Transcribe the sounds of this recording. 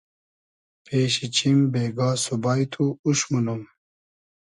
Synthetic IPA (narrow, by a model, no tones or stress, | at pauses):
pʰeːɕit͡ɕʰimbeːɡaːsubaːjt̪ʰuuɕmunum